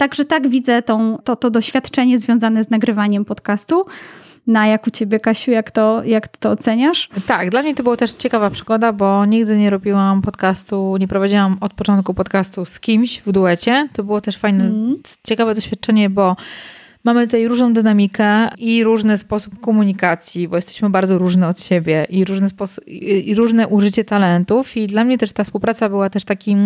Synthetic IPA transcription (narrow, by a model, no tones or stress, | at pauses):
t̪aɡʐɛt̪aɡvʲid̪zɛt̪ɔ̃w̃t̪ɔt̪ɔd̪ɔɕfʲjat̪t͡ʂɛɲɛzvʲjɔ̃w̃zanɛznaɡɾɘvaɲɛmpɔt̪kast̪u | najakut͡ɕebʲjɛkaɕujakt̪ɔjakt̪t̪ɔːt̪sɛɲaʂt̪aɡd̪lamɲɛt̪ɔbɨwat̪ɛʂt͡ɕɛkavapʂɘɡɔd̪abɔɲiɡd̪ɘɲɛɾubʲiwampɔt̪kast̪uɲɛpɾɔvad͡ʑiwamɔt̪̚pɔt͡ʂɔnt̪̚kupɔt̪kast̪uskʲimɕvd̪uɛt͡ɕɛt̪ɔbɘwɔt̪ɛʂfajnɛ | t͡ɕɛkavɛd̪ɔɕfʲjat̪̚t͡ʂɛɲɛbɔ | mamɘt̪ut̪ajɾuʐnɔ̃w̃d̪ɘnamʲikʰɛiɾuʐnɘspɔsup̚kɔmuɲikat̪sʲjibɔjɛst̪ɛ̥ɕmɘbaɾd̪zɔɾuʐnɛɔt̪ɕebʲjɛʔiɾuʐnɛspɔɾuʐnɛʔuʐɘt͡ɕɛt̪alɛnt̪ufid̪lamɲɛt̪ɛʂt̪afspuwpɾat̪sabɘwat̪ɛʂt̪akʲim